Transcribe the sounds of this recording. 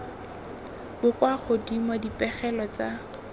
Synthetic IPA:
bʊkwaχʊdimɔdipʼɛχɛlɔt͡sa

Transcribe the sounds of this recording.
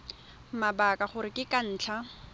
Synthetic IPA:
mabakaχʊɾɪkɪkan̩ːt͡ɬʰa

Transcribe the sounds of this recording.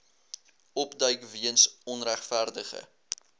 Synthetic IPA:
ɔpdœɥkviənsɔnræχfærdəχə̰

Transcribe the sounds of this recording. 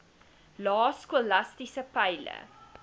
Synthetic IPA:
lɑːskulɐstisəpəjlə̰

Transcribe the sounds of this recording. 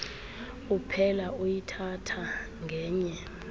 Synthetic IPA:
upʰɛlaujitʰatʰa | ŋʱɛːɲɛ

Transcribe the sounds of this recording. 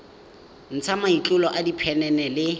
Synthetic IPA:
n̩t͡sʰamait͡ɬʼʊlɔʔadipʰɛnɛnɛlɪ

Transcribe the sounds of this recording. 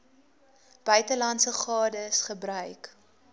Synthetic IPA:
b̥œɥtəlɐntsəχɑːdəsχəbɾœɥk

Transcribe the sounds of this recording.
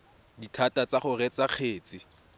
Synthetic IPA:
ditʰatat͡saχʊrɛt͡saq͡χʰeːt͡sʼɪ

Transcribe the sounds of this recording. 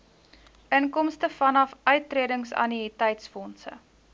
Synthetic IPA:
ʔəŋkɔmstəfɐnɐfœɥtːriədəŋsɐ̰niitɛjtsfɔnsə̰

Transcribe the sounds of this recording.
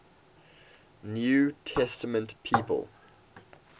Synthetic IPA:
njuːtʰɛstəmə̃ntpʰiːˑpə̰lˠ

